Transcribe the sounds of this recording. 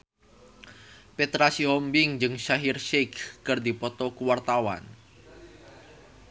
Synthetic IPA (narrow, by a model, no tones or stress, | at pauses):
pet̪ɾasiɦɔmbɪŋd͡ʒɨŋʃaɦirʃɛkːɨrd̪ipɔt̪ɔkuwart̪awa̰n